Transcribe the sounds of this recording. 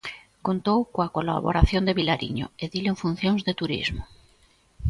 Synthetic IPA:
kont̪owkoakola̰βo̰ɾaθjond̪eβilaɾḭɲo̰eðileɱfun̟θjoŋzðet̪uɾḭzmo

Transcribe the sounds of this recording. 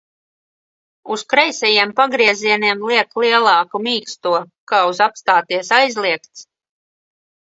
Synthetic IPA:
uskɾɛjsɛjiɛmpaɡɾiɛziɛniɛmlˠiɛklˠiɛlˠɑːkumiːkst̪uɔkaːuzapst̪aːt̪iɛsajzlˠiɛkt̪s

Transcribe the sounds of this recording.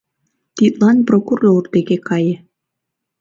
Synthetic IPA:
t̪it̪lˠɑnprokurord̪eɣekɑje

